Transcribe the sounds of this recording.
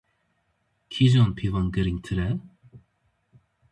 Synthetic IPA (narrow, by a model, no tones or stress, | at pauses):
kʰizonpʰivɑnɡəɾiŋt̪ʰɨɾɛ